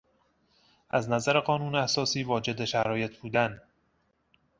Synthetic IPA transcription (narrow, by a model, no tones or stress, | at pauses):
ʔæznæzæɾe̞ɢɒːnuːneæsɒːsiːvɒːd͡ʒe̞d̪eʃæɾɒːje̞t̪ʰbuːd̪æn